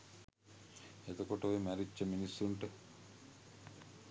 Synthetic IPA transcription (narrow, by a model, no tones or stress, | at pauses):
et̪okoʈoemæɾit͡ʃɐminisːuɳʈə